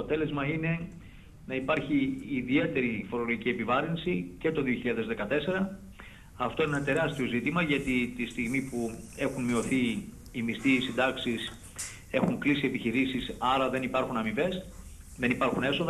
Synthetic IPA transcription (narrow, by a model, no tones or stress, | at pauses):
ot̪e̞le̞zmɐine̞ | nɐipɐɾçiːðie̞t̪e̞ɾifo̞ɾolo̞ɣʝicie̞pivɐɾinsice̞t̪o̞ðioçiʎɐðe̞zðe̞kɐt̪e̞se̞ɾɐ | ɐft̪o̞inenɐt̪e̞ɾɐst̪io̞zit̪imɐʝɐt̪it̪ist̪iɣmipue̞xunmio̞θiː | mist̪iːsind̪ɐksis | e̞xuŋklisiepiçiɾisisɐɾɐðe̞nipɐɾxunɐmive̞s | ðe̞nipɐɾxune̞fsoðɐ